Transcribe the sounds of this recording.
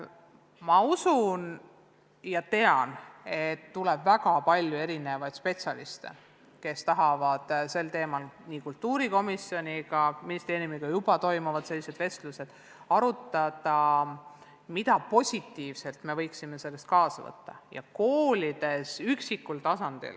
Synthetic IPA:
mɑusun | jɑt̪e̞ɑne̞t̪ːulɛb̥væɡɑpɑlʲjue̞ɾine̞vɑjd̪̥spe̞t̪sjɑlist̪e̞̰ | ke̞st̪ɑɦɑvɑd̪̥se̞lt̪e̞ːmɑlniːkult̪ːˑuːɾiko̞misjo̞nʲiɡɑminist̪e̞ːɾiiumiɡ̥ɑjub̥ɑt̪o̞jmuvɑd̪̥se̞lːise̞d̪̥ve̞st̪luse̞d̪̥ | ɑɾut̪ˑːɑd̪̥ɑ | mit̪ɑpo̞sʲit̪ːiːvse̞lt̪me̞vɤjksime̞se̞lːe̞st̪̚kɑːsɑvɤ̰t̪ːɑ̰jɑ̰ko̞ːlʲid̪̥e̞syksikːult̪ɑsɑnd̪̥ḭl

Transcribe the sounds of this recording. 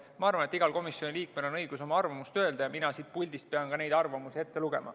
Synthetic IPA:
mɑɑɾrvɑne̞t̪ːiɡ̥ɑlko̞misjo̞nʲiliːkme̞lo̞nɤjɡ̥uso̞mɑɑrvɑmust̪ø̞eld̪ɑjɑminɑsiːd̪̚pulʲd̪ist̪̚peɑnkɑne̞jd̪ɑrvɑmusie̞t̪ːe̞luɡ̥e̞mɑ̰

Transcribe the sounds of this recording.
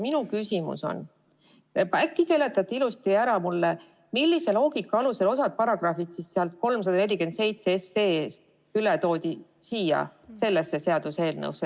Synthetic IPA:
minukysʲimṵso̞̰n | pækːˑise̞le̞t̪ːˑɑt̪ːˑeilust̪iæɾɑmulːe | milʲːise̞lo̞ːɡ̥ikːɑɑluse̞lo̞sɑd̪̥̚pɑɾɑɡ̥rɑfit̪sisseɑlt̪̚ko̞lms̬ɑd̪ɑne̞lʲːike̞nd̪se̞jt̪seeseeːst̪ | ylet̪o̞ːd̪ʲisiːjɑ̰se̞lːesːe̞se̞ɑd̪̥use̞ːlnɤ̰wse

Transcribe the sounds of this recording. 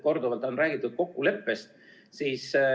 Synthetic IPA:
ko̞rd̪uvɑlt̪ˑo̞nræːɡ̥it̪ːˑud̪̥̚ko̞kːule̞pːe̞st̪ | siːs

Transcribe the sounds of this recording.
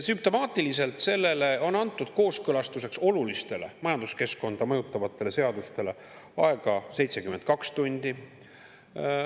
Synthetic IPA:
symp̚t̪o̞mɑːt̪ːˑilise̞lt̪se̞lːe̞le̞o̞nɑnt̪ˑːud̪̥ko̞ːskɤlɑst̪use̞kso̞lulist̪e̞le̞̰mɑjɑnd̪̥uske̞sko̞nd̪̥ɑmɤjut̪ːˑɑvɑt̪ˑːe̞le̞se̞ɑd̪̥ust̪e̞le̞ | ɑe̞ɡ̥ɑse̞jt̪se̞kyment̪̚kɑkst̪unʲd̪̥i

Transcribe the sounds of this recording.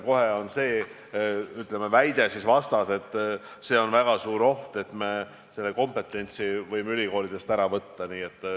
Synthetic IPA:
ko̞heo̞nse̞ː | yt̪ˑlemevæjd̪̥e̞sisvɑst̪ɑse̞t̪ˑː | se̞ːo̞nvæɡ̥ɑsuːɾo̞ht̪e̞t̪me̞ | se̞lːe̞ko̞mpe̞t̪ːˑe̞nʲt̪sivɤjmeylʲiko̞ːlid̪̥e̞st̪æɾɑvɤt̪ːɑniːe̞t̪ːˑ

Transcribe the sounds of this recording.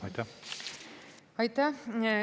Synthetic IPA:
ɒjt̪ɑ | ɒjt̪ɑ

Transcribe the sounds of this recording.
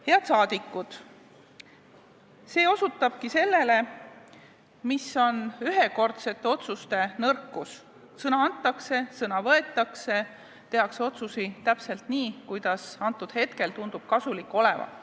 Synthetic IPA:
he̞ɑd̪̥sɑːd̪̥ikːˑud̪̥ | se̞ːo̞sut̪ːˑɑb̥kise̞lːe̞le̞ | misːo̞nyɦe̞ko̞rt̪se̞t̪ːe̞o̞t̪sust̪e̞nɤrkːˑus | sɤnɑɑnt̪ˑːɑkse̞sɤnɑvɤe̞t̪ˑːɑkse̞ | t̪e̞ɦɑkseo̞t̪susit̪æpse̞lt̪niːkujd̪̥ɑsɑnt̪ːˑud̪̥he̞t̪ke̞lt̪und̪̥ub̥kɑsulikːo̞le̞vɑ̰

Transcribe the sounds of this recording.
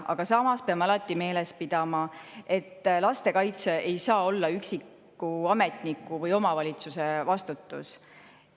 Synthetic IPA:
ʔɑ̰ɡ̥ɑsɑmɑspe̞ɑmɑlɑt̪ːˑime̞ːle̞spid̪̥ɑmɑe̞t̪ːlɑst̪e̞kɑjt̪se̞ʔejsɑːo̞lːɑyksikːˑ | uɑme̞t̪nikːˑuvɤjo̞mɑvɑlʲit̪suse̞vɑst̪ut̪ːˑṵs

